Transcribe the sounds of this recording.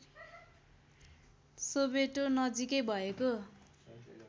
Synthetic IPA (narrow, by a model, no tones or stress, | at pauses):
sobeʈonʌd͡zikʌjbʱʌeko